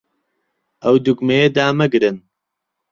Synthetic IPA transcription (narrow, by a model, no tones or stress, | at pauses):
ʔɐwd̪uɡmejed̪aːmɐɡɾɨn